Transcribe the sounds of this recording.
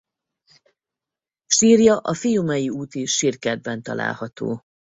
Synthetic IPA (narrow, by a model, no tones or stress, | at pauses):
ʃiːrjɒʔɒfijumɛjiuːt̪iʃʃirkɛd̪̚bɛnt̪ɒ̰lʔa̰ːlhɒt̪o̰ː